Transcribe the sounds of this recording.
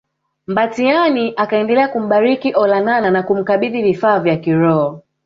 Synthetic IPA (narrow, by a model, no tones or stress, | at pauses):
mbatianiʔakaɛndɛlɛakum̩ɓaɾikiʔɔlanananakum̩kaɓiðivifaːvjakiɾɔɔ